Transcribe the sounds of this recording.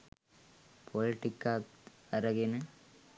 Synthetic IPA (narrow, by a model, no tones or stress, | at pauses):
pʰoliʈikːa | ɐɾɐɡinɨ